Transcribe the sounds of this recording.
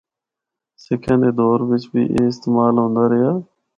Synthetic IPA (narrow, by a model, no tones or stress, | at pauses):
sekʰẽːnd̪eːd̪oːɾʋɪt͡ʃbḭːʔḛːɪst̪eːmaːlɦõːnd̪aːɾɪjaː